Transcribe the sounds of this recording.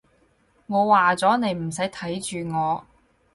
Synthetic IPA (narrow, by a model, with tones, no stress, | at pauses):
ŋɔː˨˧waː˨t͡sɔː˨˥ne˨˧jm̩˨˩sɐ˨˥jt̪ʰɐ˨˥jt͡ʃyː˨ŋɔː˨˧